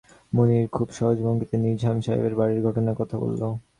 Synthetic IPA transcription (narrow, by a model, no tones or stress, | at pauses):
moniɾkʰubʃɔɦod͡ʑbʱoŋɡit̪eniɾd͡ʑʱamʃajo̰beɾbaɾiɾɡʱɔʈonakɔt̪ʰabo̰lːo